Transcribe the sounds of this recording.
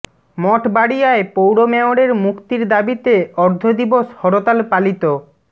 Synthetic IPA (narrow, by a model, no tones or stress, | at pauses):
mɔʈbaɽijaepowɽomɛoɽeɾmukt̪iɾd̪abit̪eɔɾd̪ʱod̪iboʃhɔɽot̪alpalit̪o